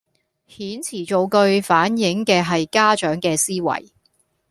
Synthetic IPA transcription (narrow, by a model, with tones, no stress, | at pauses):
hiː˨˥nt͡sʰiː˨˩t͡so˨˧wkɵ˧ɥfaː˨˥njɪ˨˥ŋkɛː˧ɦɐ˨jkaː˥t͡ʃœː˨˥ŋkɛː˧siː˥wɐ̰˨˩j